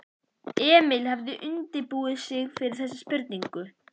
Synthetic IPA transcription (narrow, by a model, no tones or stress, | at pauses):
ɛːmɪlhavðɪʔʏnt̪ɪpuːɪsɪɣfɪɾɪɾ̥θɛsːɪspʏɾt̪niŋkʏ